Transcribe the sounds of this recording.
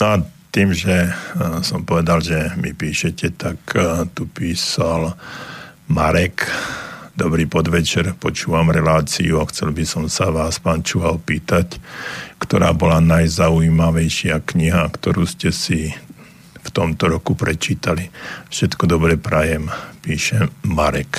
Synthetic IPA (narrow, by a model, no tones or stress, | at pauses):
nɔat̪iːmʒɛsɔmpɔʋɛd̪alʒɛmipiːʃɛcɛt̪akt̪upiːsal | maɾɛk | d̪ɔbɾiːpɔd̪ʋɛt͡ʃɛɾpɔt͡ʃuːʋamɾɛlaːt͡sḭuaxt͡sɛlbisɔmsaʋaːspaːnt͡ʃuːʋalpiːt̪ackt̪ɔɾa̰ːbɔlanajzauimaʋɛjʃɪakɲiɦakt̪ɔɾuːscɛsi | ft̪ɔmt̪ɔɾɔkupɾɛt͡ʃiːt̪alifʃɛt̪kɔd̪ɔbɾɛpɾajɛmpiːʃɛmaɾɛk